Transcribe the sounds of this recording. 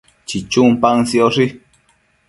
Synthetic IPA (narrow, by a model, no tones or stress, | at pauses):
t͡ʃit͡ʃumpaŋsioʂi